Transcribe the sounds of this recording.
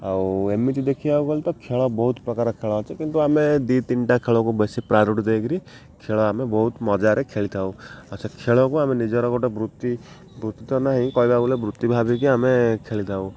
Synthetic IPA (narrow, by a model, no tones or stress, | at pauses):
awemiʈid̪ekʰiaukɔlt̪ɔkʰeɭɔbɔɦut̪pɾɔkaɾɔkʰeɭɔɦat͡ʃʰɛkint̪uamed̪it̪inʈakʰeɭɔkubesipɾaɾuʈd̪ekɾi | kʰeɭɔamebɔɦut̪mɔd͡ʒaɾekʰeɭit̪ʰawat͡ʃʰakʰeɭɔkuamenid͡ʒɔɾɔkɔʈebɾut̪ːi | bɾut̪ːit̪ɔnaɦĩkɔɦibabulebɾut̪ːibʱabik̬iamekʰeɭit̪ʰaw̃